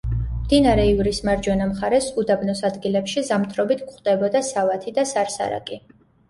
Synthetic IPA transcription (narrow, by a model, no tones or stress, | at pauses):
md̪inaɾɛivɾismaɾd͡ʒɔnamχaɾɛsud̪abnɔsad̪ɡilɛpʃizamt̪ʰɾɔbit̪ʰkχd̪̥ɛbɔd̪asavat̪ʰid̪asaɾsa̰ɾa̰kʼi